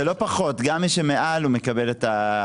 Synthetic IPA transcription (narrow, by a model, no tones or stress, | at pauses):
elo̞paχo̞tɡamːiʃemeʔalumekabe̞leta